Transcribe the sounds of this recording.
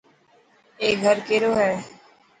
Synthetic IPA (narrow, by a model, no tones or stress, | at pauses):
eːɡʱəɾkeːɾoːɦɛː